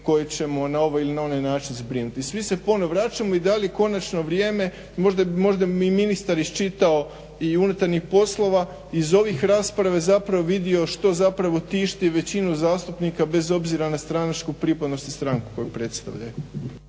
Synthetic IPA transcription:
ko̞jet͡ɕe̞mo̞nao̞ʋajilinao̞najnaːt͡ʃinzbɾinut̪isʋise̞po̞no̞ʋɾaːt͡ʃamo̞id̪alijeko̞nat͡ʃno̞ʋɾʲjeːme̞ | mo̞ʒd̪abimo̞ʒd̪aiminist̪aɾist͡ʃit̪ao̞ | iunut̪aɾnixpo̞slˠo̞ʋa | izo̞ʋixɾaːspɾaʋezapɾaʋoʋid̪io̞ʃt̪o̞zapɾaʋo̞t̪iːʃt̪iʋe̞t͡ɕinuzaːst̪upnikabe̞zo̞bziɾanast̪ɾanat͡ʃkupɾipad̪no̞st̪ist̪ɾaŋku̥ko̞jupɾe̞t̪st̪a̰ʋʎa̰jo

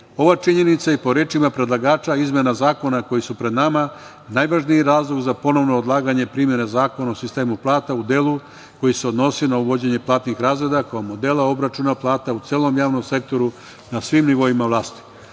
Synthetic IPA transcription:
o̞ʋat͡ʂiɲe̞nit̪saipo̞ɾe̞ːt͡ʃimapɾe̞d̪lˠaɡaːt͡ʃaizmʲje̞nazaːko̞nako̞jisupɾe̞d̪nama | najʋaʒnijiɾaːzlˠoɡzapo̞no̞ʋnoːd̪lˠaːɡaɲe̞pɾimje̞nezaːko̞naosist̪e̞ːmuplˠaːt̪aud̪e̞lu | ko̞jise̞o̞d̪no̞sinauʋo̞d͡ʑe̞ɲe̞plˠaːt̪nixɾaːzɾe̞d̪akojamo̞d̪e̞lˠao̞bɾat͡ʃunaplˠaːt̪aut̪seːlˠo̞mjaːʋno̞mse̞k̚t̪o̞ɾu | nasʋimniʋo̞imaʋlˠaːst̪i̥

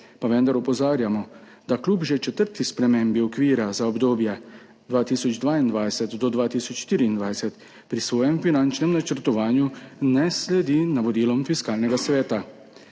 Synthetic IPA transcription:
paʋɛnd̪aɾɔpɔzaːɾjamɔ | d̪̥akluːpʒet͡ʃɛt̪əɾt̪ispɾɛmembiɔkʋiːɾazaɔbd̪oːbjɛ | d̪ʋaːt̪iːsɔd͡ʒd̪ʋaːind̪ʋajsɛt̪d̪ɔd̪ʋaːt̪iːsɔt͡ʃʃt̪iːɾiːnd̪ʋajsɛt̪ | pɾisʋɔːjɛmfinant͡ʃnɛmnat͡ʃəɾt̪ɔʋaːnjunɛslɛd̪iːnaʋɔd̪iːlɔmfiskaːlnɛɡasʋɛːt̪a

